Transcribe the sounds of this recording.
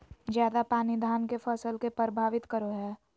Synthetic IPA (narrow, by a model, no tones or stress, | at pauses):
d͡ʒjaːd̪apaːnid̪ʱaːnkefʰəsəlkepɾəbʱaːʋɪt̪kəɾoɦɛː